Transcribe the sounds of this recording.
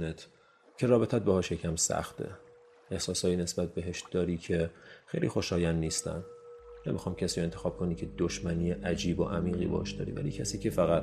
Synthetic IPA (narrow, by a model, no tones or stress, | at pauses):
et̪ʰ | cʰe̞ɾɒːbe̞t̪ʰæt̪̚behɒːʃjecʰæmsæ̰xt̪ʰḛ | ʔehsɒːsɒːjiːne̞sbæt̪̚be̞ɦe̞ʃd̪ɒːɾiːcʰe̞xejlḭːxo̞ʃɒːjænːiːst̪æ̰nnemixɒjmcʰæsiːɾoe̞nt̪ʰexɒːb̚kʰo̞niːcʰe̞d̪oʃmæniːeʔæd͡ʒiːboʔæmiːɣḭbɒ̰hɑ̰ʃd̪ɒ̰ːɾḭvæ̰lḭːcʰæsiːcʰe̞fæɣæt̪